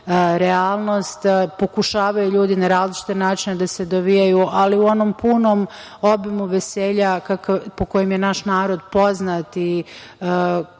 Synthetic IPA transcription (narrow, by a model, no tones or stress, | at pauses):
ɾeaːlˠno̞st̪po̞kuʃaːʋajuʎuːd̪inaɾaːzlit͡ʃi̥t̪enaːt͡ʃined̪ase̞d̪o̞ʋijajuʔaliuo̞no̞mpuno̞ːm | o̞bimuʋe̞seːʎakakpo̞ko̞jemjenaʃnaːɾo̞d̪po̞znat̪i